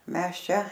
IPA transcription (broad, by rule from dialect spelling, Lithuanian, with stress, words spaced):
ˈmʲɛs ˈt͡ʃʲɛ